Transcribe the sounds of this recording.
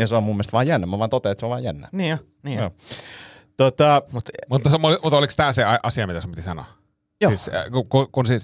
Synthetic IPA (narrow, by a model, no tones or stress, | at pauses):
ɑseomumːelst̪ʋɑːjænːæmæʋɑːnt̪ot̪eet̪seoʋɑːjænːæ̰ni | nijo | t̪ot̪ɑmut̪mut̪ːɑsmlimut̪olikst̪æːseɑʔɑsiɑmit̪æsumpit̪isɑno̰ | josiskukukunsis